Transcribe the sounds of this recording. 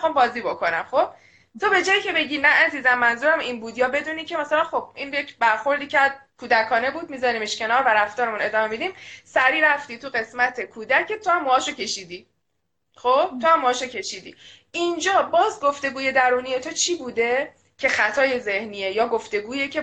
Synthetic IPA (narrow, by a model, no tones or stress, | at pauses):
xɑːmbɒːziːbo̞kʰo̞næmχo̞b̥̚ | t̪ʰobe̞d͡ʒɒːjicʰe̞be̞ɟinææziːzæmːænzuːɾæminbuːd̪jɒːbe̞d̪uːniːcʰe̞mæsælænxo̞b̥̚injecbæɾxo̞ɾd̪iːcʰæɾd̪kʰuːd̪ækʰɒːne̞buːd̪̚miːzɒːɾiːmeʃcʰe̞nɒːɾvæɾæft̪ɒːɾemune̞d̪ɒːme̞mid̪imsæɾiːɾæft̪iːt̪ʰuɣe̞smæt̪ʰe̞kʰuːd̪ækʰːe̞t̪ʰohæmːohɒːʃocʰe̞ʃiːd̪i | xob̥̚t̪ʰohæmːoɒːʃocʰe̞ʃiːd̪ḭ | ʔind͡ʒɒːbɒːzɡoft̪e̞ɡuːje̞d̪æɾuːnije̞t̪ʰot͡ʃʰiːbuːd̪e̞ | cʰe̞xæt̪ʰɒːje̞ze̞hniːejɒːɡoft̪e̞ɡuːjecʰe̞